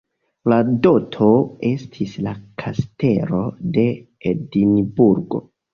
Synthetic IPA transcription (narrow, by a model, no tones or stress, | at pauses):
lado̞tʰo̞e̞stʰislakʰaste̞lo̞de̞ | edinbuɾɡo̞̰